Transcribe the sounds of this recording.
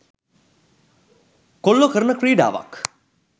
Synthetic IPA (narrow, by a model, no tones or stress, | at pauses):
kolːokəɾənəkɾiːɖa̰ːʋa̰k